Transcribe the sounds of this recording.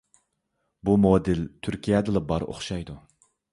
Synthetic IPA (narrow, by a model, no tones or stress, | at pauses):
bumod̪ɪlt̪ʰyɾkʲʰijɛd̪ɨlˠɛbɑɾo̰χʃɑjd̪u